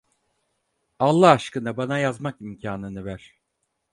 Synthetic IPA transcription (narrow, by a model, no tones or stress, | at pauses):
alˠːaːʃkɯnabanajazmakimcʰaːnɯnɯvæɾ̥